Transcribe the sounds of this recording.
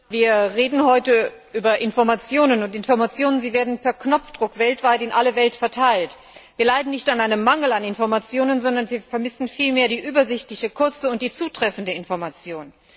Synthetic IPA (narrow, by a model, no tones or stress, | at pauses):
viːɐʁeːdn̩ɦɔʏtəʔyːbɐʔɪnfɔɐmat͡sjoːnənʊntɪnfɔɐmat͡sjoːnənziːveːɐdn̩pɛɐknɔp͡fd̥ʁʊkv̥ɛltv̥aɪtɪnʔaləvɛltfɛɐtʰaɪlt | viːɐlaɪdn̩nɪçtanʔaɪnəmːaŋl̩anɪnfɔɐmat͡sjoːnənzɔndɐnviːɐfɛɐmɪsn̩fiːlmeːɐdiːʔyːbɐzɪçtlɪçəkʰʊɐt͡səʊnt̚d̥iːt͡suːtʁ̥ɛfn̩dəɪnfɔɐmat͡sjoːn